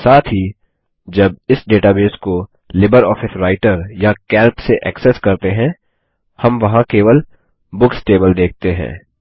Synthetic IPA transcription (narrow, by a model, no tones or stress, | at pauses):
saːt̪ʰɦi | d͡ʒɐb̚ɪsɖeːʈaːbeːsko | lɪbəɾɔːfɪsɾaːɪʈəɾjakɛːɾpseʔɛksɛskɐɾt̪eɦɛ̃ː | hɐmʋɐɦãkeːʋəl | bʊksʈeːbəld̪eːk̚ʰt̪eɦɛ̰̃ː